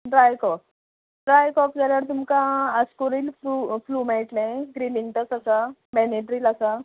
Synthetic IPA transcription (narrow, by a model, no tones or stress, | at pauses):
ɖɾajkɔk | ɖɾajkɔkd͡zaljaɾt̪umkãəskoɾiːlfɾufluːmaʈnajɡɾiliŋʈəsasamɛneʈɾiːlasa